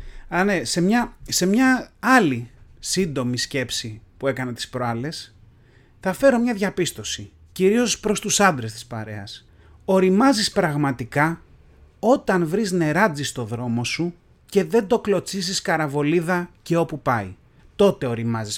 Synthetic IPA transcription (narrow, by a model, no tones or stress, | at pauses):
ɐnese̞mɲɐse̞mɲɐɐlisind̪o̞misce̞psipuekɐnet̪i̥spɾo̞ɐle̞s | θɐfe̞ɾo̞mɲɐðʝɐpist̪o̞si | ciɾio̞spɾo̞st̪usɐnd̪ɾe̞st̪i̥spɐ̰ɾe̞ɐs | o̞ɾimɐzispɾɐɣmɐt̪ikɐ | o̞t̪ɐnvɾizne̞ɾɐd͡zist̪o̞ðɾo̞mo̞su | ce̞ðe̞nd̪o̞klo̞t͡siziskɐɾɐvo̞liðɐce̞o̞pupɐi | t̪o̞t̪e̞o̞ɾimɐzis